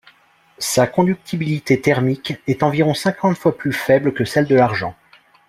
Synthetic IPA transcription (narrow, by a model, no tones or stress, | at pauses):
sakɔ̃d̪yk̚t̪ʰibilit̪et̪ɛʁmikʲɛt̪ɑ̃viʁɔ̃sɛ̃kʰɑ̃t̪fwaplyfɛbləkəsɛld̪əlaʁʒɑ̰̃